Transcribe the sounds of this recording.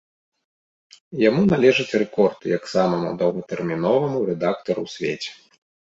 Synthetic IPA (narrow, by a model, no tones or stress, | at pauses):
jamunalʲɛʐɨt͡sʲrɛkɔrt̪ɨjaksamɐmṵd̪ɐwɣɐt̪ɛrmʲin̪ɔvɐmuɾɛd̪ak̚t̪ɐɾṵwsʲvʲḛt͡sʲɛ̥